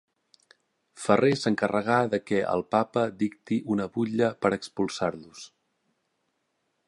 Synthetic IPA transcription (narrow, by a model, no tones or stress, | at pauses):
fəresəŋkərəɣaðəkɛʔə̰lˠpapəd̪ikt̪iʔunəβuʎəpəɾəkspulˠsaɾlus